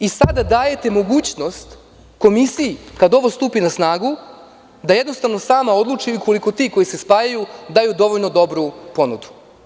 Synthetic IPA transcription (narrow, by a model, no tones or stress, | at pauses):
isad̪ad̪aːje̞t̪e̞mo̞ɡuːt͡ɕno̞st̪ | ko̞misijːkad̪o̞ʋo̞st̪uːpinasnaːɡu | d̪aje̞d̪no̞st̪aʋno̞saːmao̞d̪lˠut͡ʂiiko̞liko̞t̪iːko̞jise̞spaːjajud̪ajud̪o̞ʋoʎno̞d̪o̞bɾupo̞nud̪u̥